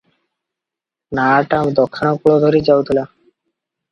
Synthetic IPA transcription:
naʈamd̪ɔkʰːanɔkuɭod̪ʱoɾid͡ʑawt̪ila

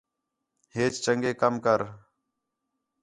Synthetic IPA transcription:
heːt͡ʃt͡ʃəŋɡeːkəmkəɾ

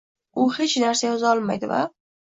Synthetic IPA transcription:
ʊhet͡ʃnaɾsajaʊzaɒlˠma̰jd̪ɪva̰

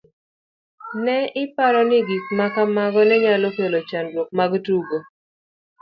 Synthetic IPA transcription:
nɛɪpaɾɔnɪɡikmakamaɡɔnɛɲalokelot͡ʃandwɔk̚maɡtuɡo

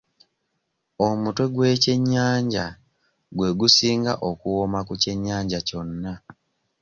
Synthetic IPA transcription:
o̞mutwe̞ɡwe̞ːce̞ɲːaːɲɟa | ɡwe̞ɡusiːŋɡa̰ʔo̞kuwomakuce̞ɲːaːɲɟaco̞nːa

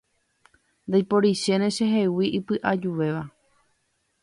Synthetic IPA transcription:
nd̪ajpoɾiʃe̞nẽ̞ʃe̞ɦe̞wiʔipɨʔad͡ʒuʋe̞ʋa

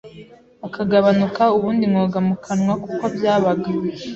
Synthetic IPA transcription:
akaɡaβanukauβuːndimŋoːɡamukʰanwakukobjaːβaɡa

